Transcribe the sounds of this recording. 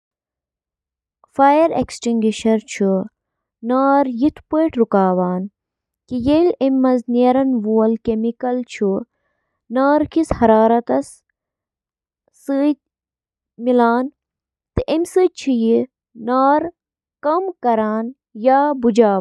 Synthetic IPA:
faːjɐɾḛksʈiŋɡʲiʃɐɾt͡ʃʰu | naːɾjit̪ʰpujʈɾukaːʋaːn | kijelemːɐzniːɾɐnʋuɐlkemikɐlt͡ʃʰu | naːɾkʰishɐɾaːɾɐt̪ɐs | ɨt̪̚ | milaːn | t̪ɨʔemsɨːt͡ʃʰiji | naːɾ | kɐmkɐɾaːn | jaːbud͡ʒaː

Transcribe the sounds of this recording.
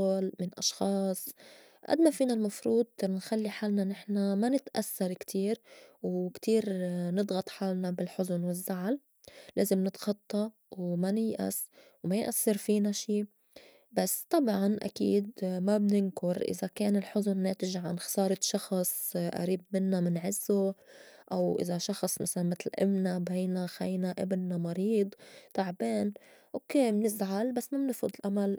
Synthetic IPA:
lmɪnʔɑʃxɑːsˤ | ʔa̰d̪mafiːnalmɑfɾuːd̪̚ˤnxalːiħaːlnanɪħnamanɪt̪ʔasːɑɾˤkt̪ʰiːɾwkt̪iːɾnɨd̪ɣɑt̪ˤħaːlnabɪlħʊzʊnwɪzːaʕal | leːzɪmnɪt̪xɑt̪ˤːɑ | wmanɪjʔa̰s | wmajɪʔasːɪɾfiːnaʃiː | basːt̪ˤɑbʕɑnʔa̰kḭːd̪mabnɪnkʊɾʔɪ̰zakeːnɪlħʊzʊnːeːt̪ɪʒʕanxɑ̥sɑːɾˤɑʃɑxsˤʔa̰ɾiːb̚mɪnːamɪnʕɪzːʊʔawʔɪ̰zaʃɑxsˤmasalanmɪt̪lʔɪ̰mnabeːnaxajnaʔɪbɪnːamɑɾiːd̪ˤt̪ˤaʕbeːnʔokeːmnɪzʕalbasːmabnɪfʊd̪ˤɪlʔamal

